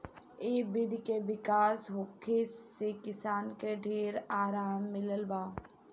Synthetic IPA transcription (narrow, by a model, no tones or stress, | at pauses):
eːbɪd̪ʱkeʋɪkaːsɦokʰːesekɪsaːnkeɖʱeːɾaːɾaːmːɪləlbaː